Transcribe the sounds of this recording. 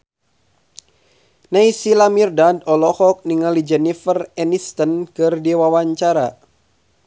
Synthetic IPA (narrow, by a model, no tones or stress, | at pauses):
najsilamirdadɔlɔhɔk̚niŋalid͡ʒɛnifərɛnist̪ənkɨrdiwawaɲt͡ʃaɾa